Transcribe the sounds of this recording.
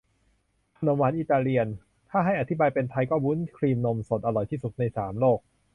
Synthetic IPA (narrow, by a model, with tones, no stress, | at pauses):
kʰa˧no˧˦mwaː˩˦nʔiː˨˩t̪aː˧ɾi˧ən | t̪ʰaː˥˩ɦa˥˩jʔa˨˩t̪ʰi˦˥baː˧jpe˧nt̪ʰa˧jkɔː˥˩wu˦˥nkʰɾiː˧mno˧mso˨˩t̪̚ʔa˧ɾɔ˨˩jt̪ʰiː˥˩su˨˩t̪̚na˧jsaː˩˦mloː˥˩k̚